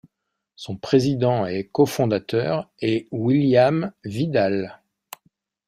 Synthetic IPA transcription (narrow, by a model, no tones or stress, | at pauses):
sɔ̃pχezid̪ɑ̃ɛkɔfɔ̃d̪at̪œːʁɛwiljamvid̪al